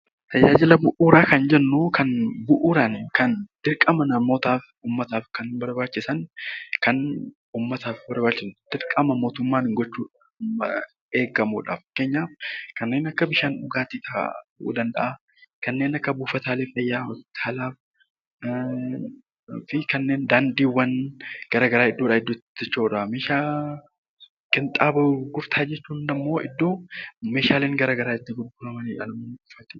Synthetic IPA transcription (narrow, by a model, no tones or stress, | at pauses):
t̪ɐd͡ʒaːd͡ʒɪlɐbʊʔuːɾaːkɐnd͡ʒɛnːuːkɐnbʊʔuːɾankɐnd̪̥ɪɾkʼɐmɐnɐmo̞ːt̪aːf | uːmːɐt̪aːfkɐnbɐɾbaːt͡ʃːɪsɐnkɐn | uːmːɐt̪aːfbɐɾbaːt͡ʃːɪsd̪̥ɪɾkʼɐmɐmo̞ːt̪ʊmːaːnɪŋɡɔt͡ʃːuːᶑ | ɐ | eːɡɐmuːᶑa̰ːfke̞ːɲːaːfkɐnːe̞ːnɐkːɐbɪʃaːnʊɡaːt̪iːt̪ɐ̰ʔṵːd̪ɐnd̪ɐʔa | kɐnːe̞ːnɐkːɐbuːfɐt̪ʰaːleːfɐjːaːɔspɪ̥t̪ʰaːlaːf | fɪkɐnːeːnd̪aːnd̪iːwːɐnɡ̥ɐɾaɡɐɾaːɪd̪ːoːᶑaːɪd̪ːot̪ːɪɪt͡ʃːoːᶑameːʃaː | kʼɪnt̪ʼaːbɐɡʊɾt̪ʰaːd͡ʒɛt͡ʃːuːnnɐmːo̞ːʔɪ̰d̪ːoːmeːʃaːleːŋɡɐɾɐɡɐɾaːɪt̪ːɪɡʊɡʊɾɐmɐniᶑɐ̰lɐmɐnʊfɐt̪ɪ̥